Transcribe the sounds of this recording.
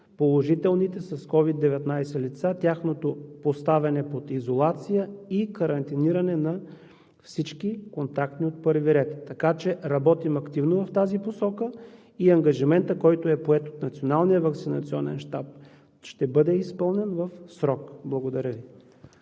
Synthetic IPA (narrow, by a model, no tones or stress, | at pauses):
polˠoʒit̪ɛlˠnit̪ɛsɐskɔvid̪ːɛvɛt̪najsɛlit̪sat̪ʲaxnot̪opost̪avɛnɛpot̪izolˠat̪sijəikɐɾɐnt̪iniɾɐnɛnɐ | fsit͡ʃkikont̪akt̪niot̪̚pɤɾviɾɛt̪ːɐkat͡ʃɛɾɐbɔt̪imɐkt̪ivnovɐft̪aziposɔkə | iɐŋɡɐʒimɛnt̪əkɔjt̪oɛpoɛt̪ot̪nɐt̪sionalˠnijəvɐk̪sinɐt̪siɔnɛ̰nʃt̪ap̚ | ʃt̪ɛbɤd̪ɛispɤlˠnɛnvɐfsɾɔkblˠɐɡod̪ɐɾʲəvi